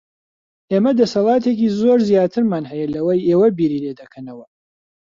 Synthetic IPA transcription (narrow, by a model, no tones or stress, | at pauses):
ʔeːmɐd̪ɐsɐlˠɑːt̪ʰek̬iːzoːɾzjaːt̪ʰɨɾmaːnɦɛjɛlɐwɐjeːwɐbiːɾiːleːd̪ɐkʰɐnɐwɐ